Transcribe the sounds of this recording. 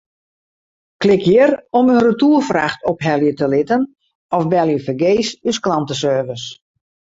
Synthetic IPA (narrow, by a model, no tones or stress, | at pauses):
klɪkʰjɪrɔmynrətuːrfra̰xtɔpɦɛlˠjətəlɪtən | ɔfbɛlˠjəfəɡeːsysklɑntəsøːvəs